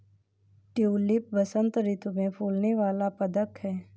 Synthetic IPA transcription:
ʈuːlɪp̚ʋɐsə̃nt̪ɾɪt̪umẽpʰuːlneʋaːlapɐd̪əkhɛː

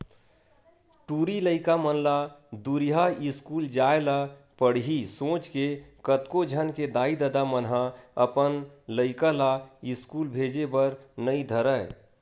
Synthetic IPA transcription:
ʈuɾiləɪkamənlad̪uɾiɦaɪskuld͡ʒaela | pəɽ̤ɦisõːt͡ʃkekət̪kod͡ʒʱənked̪aid̪əd̪amənɦaəpənləɪkalaɪskulbʱed͡ʒebəɾnəid̪ʱəɾə

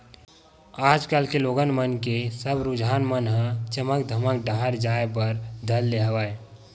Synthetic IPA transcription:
aːd͡ʒkalkeloːɡənmənkesəbɾʊd͡ʒʱaːnmənɦãt͡ʃəməkd̪ʱəmək̚d̪aɦəɾd͡ʒaːep̬əɾd̪ʱəlːeɦəʋaːe

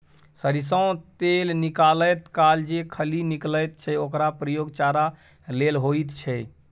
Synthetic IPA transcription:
səɾis̬ə̃ʊ̃t̪elnikalət̪kald͡ʒekʰəlinikləjt̪̚t͡ʃʰɛokɾapɾəjoɡt͡ʃaɾa | lelɦoit̪t͡ʃʰɛ

